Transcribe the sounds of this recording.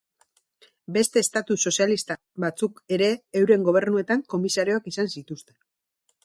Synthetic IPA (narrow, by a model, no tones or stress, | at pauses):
be̞st̪e̞ːst̪at̪uso̞sialist̪a | βat͡suke̞ɾe̞ːwɾe̞ŋɡo̞β̞e̞ɾnue̞t̪aŋko̞misaɾio̞akisansit̪ust̪e̞